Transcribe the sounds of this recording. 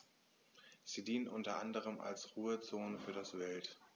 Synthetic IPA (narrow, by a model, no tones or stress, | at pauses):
z̥iːdiːnənʔʊntɐʔandəʁ̞əma̰lsʁuːət͡soːnəfyːɐdasv̥ɛlt